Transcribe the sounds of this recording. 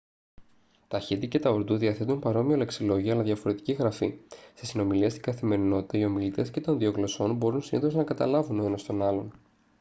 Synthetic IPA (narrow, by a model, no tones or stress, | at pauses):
t̪ɐçit̪ice̞t̪ɐoɾd̪uðiɐθe̞t̪unpɐɾo̞miole̞ksilo̞ʝiɐːlɐðʝɐfo̞ɾe̞t̪i̥ciɣɾɐfist̪isino̞miliɐst̪iŋɡɐθime̞ɾino̞t̪it̪ɐio̞milit̪e̞sce̞t̪o̞nðio̞ɣlo̞so̞nbo̞ɾunsiniθo̞znɐkɐt̪ɐlɐvunoenost̪o̞nɐlo̞n